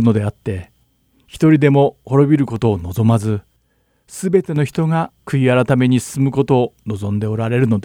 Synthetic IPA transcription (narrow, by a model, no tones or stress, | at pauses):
ɯno̞d̪e̞at̪ːe̞ | çi̥t̪o̞ɾʲid̪e̞mo̞ho̞ɾo̞bʲiɾɯ̟ko̞t̪o̞ːno̞zo̞mazɨ | sɨbe̞t̪e̞no̞çi̥t̪o̞ŋakɯ̟iaɾat̪ame̞ɲ̟isɨ̥sɨmɯ̟ko̞t̪o̞ːno̞zõ̞nd̪e̞o̞ɾaɾe̞ɾɯ̟no̞d̪e